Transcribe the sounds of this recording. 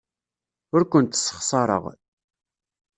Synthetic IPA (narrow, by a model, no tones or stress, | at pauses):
ʊɾkʷənt̪sːə̥χsˤɑɾˤə̰ʁ